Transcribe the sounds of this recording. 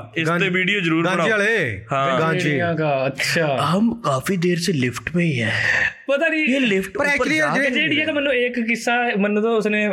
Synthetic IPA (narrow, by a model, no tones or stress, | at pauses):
ɪst̪ẽːʋiːɖijoːzəɾuːɾãɽaːalehãːãijãːkaːətːʃʰaːɦəmkaːfiːd̪eːɾselɪpʰʈpẽːiɦɛːpət̪aːd͡ʒiːeːlɪpʰʈəɾɛiəd͡ʒeːɽiːɛːkemənːũːeːkːɪsːaːmənːt̪õːʊsneː